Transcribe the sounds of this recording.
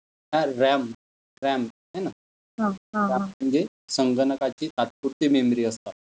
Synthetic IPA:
ɦãɾam | ɾam | ɦena | ɦãaəɲd͡ʑe | səŋɡənəkat͡ɕiːt̪at̪̚puɾt̪imemɾiːəst̪a

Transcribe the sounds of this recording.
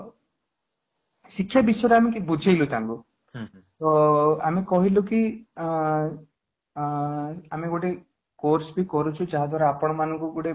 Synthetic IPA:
sikʰjabisɔɾeamikibud͡ʒʱejlut̪ãŋku | t̪ɔa̰mikɔɦiluki | ameɡoʈe | koɾsbikɔɾut͡ʃʰud͡ʒaɦad̪ʱwaɾaːpɔɽ̃ɔmanɔŋkuɡoʈe

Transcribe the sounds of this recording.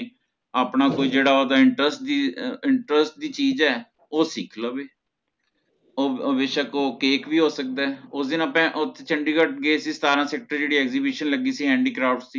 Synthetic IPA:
aːpɳaːkoːiːd͡ʒeːɽaːoːd̪aːɪɳʈɾəsʈd̪iːɪɳʈɾəsʈ̚d̪iːt͡ʃiːzɛː | oːsiːkʰloːbeː | oːʋeʃəkoːkeːkʋiːɦoːsək̚d̪aːɛʊsd̪ɪnapɛ̃ːʔʊt̪ʰːe̥t͡ʃəɳɖiːkəʈ̚ɡeːsiːst̪aːɾãːsɛːk̚ʈəɾd͡ʒeːɽiːɛːkzibiːʃənləɡiːsiːɦɛ̃ːɳɖiːkɾaːpʰʈsiː

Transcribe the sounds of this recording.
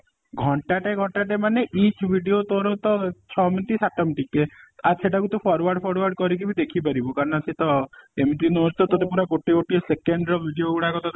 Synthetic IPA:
ɡʱɔɳʈaʈeɡʱɔɳʈaʈemaneʔit͡ʃʰbʱiɖiot̪oɾɔt̪ɔt͡ʃʰɔmit̪isaʈɔmʈikeaɾseʈakut̪upʰɔɾwaɾɖpʰɔɾwaɾɖkɔɾikibid̪ekʰipaɾibɔkaɾɔnɔasʰit̪ɔemt̪inɔd͡ʒt̪ɔt̪ɔt̪epuɾakoʈikoʈiɔsekeɳɖɾɔbʱiɖioɡuɽakɔt̪ɔ

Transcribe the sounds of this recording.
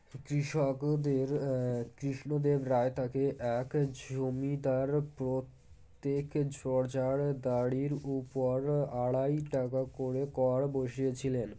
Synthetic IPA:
kɾiʃɔkd̪eɾkɾiʃnod̪ebɾaet̪ʰakeʔɛkd͡ʑomid̪aɾpɾot̪ː | ekd͡ʑɔɾd͡ʑaɽd̪aɽiɾupoɾaɽajʈakakoɽekɔɽboʃijet͡ɕʰilen

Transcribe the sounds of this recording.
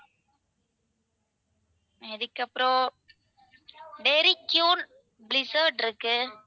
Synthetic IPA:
ɪðɯkːɐpːɯɾõː | ɖeɾikjuːl | blɪsɐːɖɪɾɯkːɯ

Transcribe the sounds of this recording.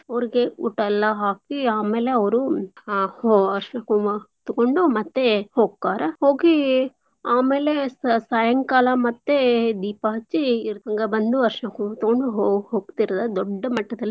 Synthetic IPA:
ɐʋɐɾiɡeṵʈːɐlːɐɦaːkiaːmeːle̞ɐʋɐɾu | oɐɾʂɐnɐkut̪uɡoɳɖumɐt̪ːehoːɡ̚kaːɾɐho̞ːɡi | aːmeːlesɐjɐŋkaːlɐmɐt̪ːed̪iːpaɦɐt͡ʃːiɾɐŋɡɐbɐnd̪uɐɾʂɐnɐkut̪ɐɡoɳɖuɦoɦoːɡt̪iɾɐd̪ɐd̪ɔɖːɐmɐʈːɐd̪ɐlːi

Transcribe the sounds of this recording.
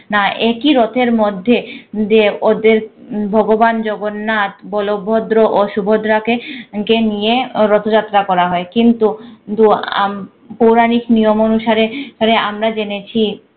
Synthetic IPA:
naʔekiɾot̪ʰeɾmod̪ʱːed͡ʑeod̪eɾbʱɔɡoband͡ʑɔɡonːat̪bɔlobʱːod̪ɾoʔoʃubʱod̪ɾakekenijeɾɔt̪ʰod͡ʑat̪ːɾakɔɾaɦɔekint̪ut̪ua̰m | powɾaniknijomonuʃaɾeʃaɾeamɾad͡ʑenet͡ɕʰi

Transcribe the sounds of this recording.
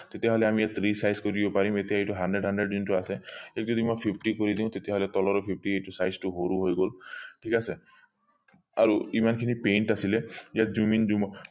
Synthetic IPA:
t̪et̪eɦɔleamijat̪ʰɾisajskoɾibɔpaɾimet̪iaeʈuɦanɖɾeɖɦaɳɖɾeɖd͡ʒunʈuaseek̚zɔd̪imɔjpʰipʰʈikoɾid̪ĩw̃t̪et̪eɦɔlet̪ɔlɔɾɔpʰip̚ʰʈieʈusajzʈuɦoɾuɦojɡolʈʰikase | a̰ɾuimankʰinipejɳʈasilejad͡ʒumind͡ʒumɔ

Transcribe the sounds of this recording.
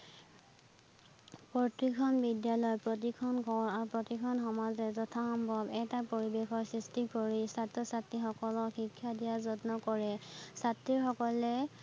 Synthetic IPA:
pɔtɹikʰɔnbidjalɔjpɹɔt̬ikʰɔnkɔɹaɹupɹɔtikʰɔnxɔmazɛzɔtʰaxɔmbʱɔbɛtapoɹibexɔsɹistikoɹisatːɔsatːixɔkɔlɔxikʰːjadijazɔtnɔkɔɹɛsatɹiɹxɔkɔlɛ

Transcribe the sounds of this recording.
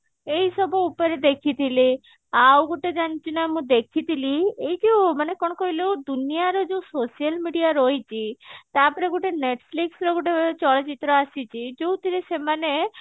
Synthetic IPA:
ejsɔbɔupɔɾed̪ekʰit̪ʰili | awɡoʈed͡ʒañt͡ʃʰinɔjmũd̪ekʰit̪ʰiliejd͡ʒemanekɔɽ̃ɔkɔɦilewd̪unijaɾɔd͡ʒeũsosialmiɖijaɾojt͡ʃʰit̪apɔɾeɡoʈeneʈpʰliksɾɔɡoʈet͡ʃɔɭɔt͡ʃit̪ɾɔasit͡ʃʰid͡ʒewt̪iɾesemane

